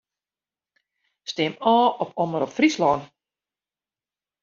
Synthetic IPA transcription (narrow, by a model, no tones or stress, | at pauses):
stɪmɔːɔpʰɔməɾɔpfrislɔːn